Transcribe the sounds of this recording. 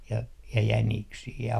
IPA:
jɑ jæniksiː jɑ

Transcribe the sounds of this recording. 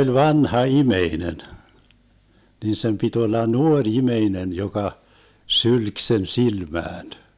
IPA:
olʲ ʋɑnhɑ imeinen nin sem pit olːɑ nuorʲ imeinen jokɑ sylk sen silmæːn

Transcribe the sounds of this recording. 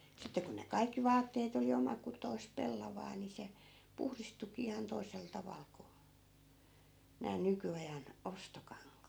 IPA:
sitːe ku ne kɑikːi ʋɑːtːeːt oli omɑkutoi̯sp pelːɑʋɑː ni se puhristukiː ihɑn toisel tɑʋɑl ko næː nykyɑjɑn ostokɑŋkɑːt

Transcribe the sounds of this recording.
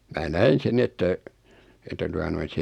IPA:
mæː næin̞ sen ni etːæ etːæ tuɑ noin̞ se

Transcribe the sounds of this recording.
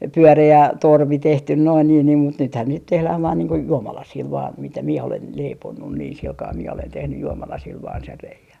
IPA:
pyøreæ torʋi tehtyn noin niːn niːm mut nythæn niːt tehlæh ʋɑːn niːŋ ko juomɑlɑsiːl ʋɑːn mitæ mie olen leiponːun niːn silkɑː mie olen tehnyj juomɑlɑsiːl ʋɑːn sen reiæn̆

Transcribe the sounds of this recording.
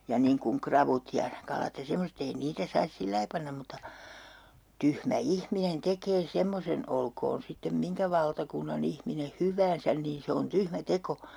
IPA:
jɑ niːŋ kuŋ krɑʋut jɑ kɑlɑt jɑ semoset ei niːtæ sɑis silːɑi pɑnːɑm mutːɑ tyhmæ ihminen tekeː semːosen olkoːn sitːem miŋkæ ʋɑltɑkunːɑn ihmine hyʋæːnsæn niːn se on tyhmæ teko

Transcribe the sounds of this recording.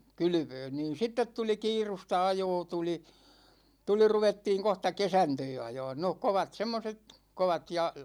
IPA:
kyly̆ʋøːn niːn̞ sitːet tuli kiːrustɑ ɑjoː tuli tuli ruʋetːiːŋ kohtɑ kesɑntøː ɑjɑːn no koʋɑt semːoset koʋɑt jɑ

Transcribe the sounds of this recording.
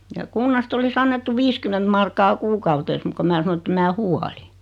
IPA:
jɑ kunːɑst olis ɑnːetːu ʋiːskyment mɑrkːɑː kuːkɑuteːs muk ko mæː sɑno ĕtˑem mæː huɑli

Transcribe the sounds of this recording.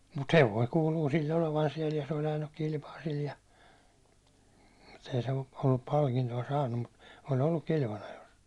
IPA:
mut heʋˑoi kuːluː silː oleʋɑn siɛl jɑ se olʲ ɑjɑnːuk kilpɑː sil jɑ mut ei se ol olːup pɑlkintoɑ sɑːnːum mut ol olːuk kilʋɑnɑjos

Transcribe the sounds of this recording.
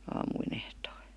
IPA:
ɑːmuin ehtoi̥

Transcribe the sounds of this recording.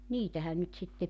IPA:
niːtæhæn nyt sitːe

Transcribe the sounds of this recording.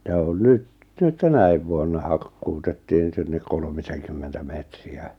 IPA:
jɑ on nyt̆ nyt tænæiʋ ʋuonːɑ hɑkːutetːiːŋ sinːek kolmiseŋkymːentæ metriæ

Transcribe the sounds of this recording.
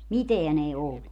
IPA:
miteæn ei olːu

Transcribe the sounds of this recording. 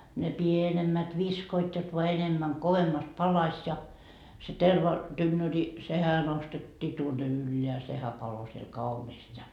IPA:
ne pienemːæt ʋiskoit jot ʋoɑ enemːæŋ koʋemːɑst pɑlɑsʲ jɑ terʋɑ tynːøri sehæ nostetːiː tuonːe ylːeæ sehæ pɑlo siel kɑuniːst jɑ

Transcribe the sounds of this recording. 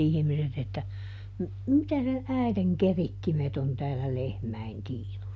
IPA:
ihĭmiset etːæ m mitæ ne æˑi̯teŋ keritːimet on tæːlːæ lehmæi̯n tiːnusːɑ

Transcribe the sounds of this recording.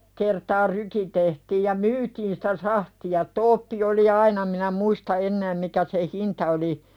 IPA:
kertɑː ryːki tehtiːj jɑ myːtiːn si̥tæ sɑhtiɑ toːpːi oli ɑinɑ minæ muistɑ enːæːm mikæ seh hintɑ oli

